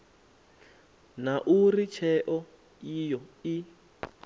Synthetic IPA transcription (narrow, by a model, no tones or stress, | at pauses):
naʔurit͡ʃʰɛʔɔ | ijɔi